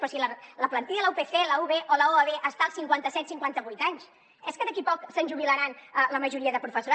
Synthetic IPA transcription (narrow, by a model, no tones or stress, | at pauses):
ɔsilələplənt̪iʎələupeθeləuβeʔoləoəβeʔəst̪alˠsiŋkwant̪əsɛt̪siŋkwant̪əβujt̪aɲs | ɛskəðəkipɔksənʲʒuβ̞iləɾanələməʒuɾiəðəpɾufəsuɾa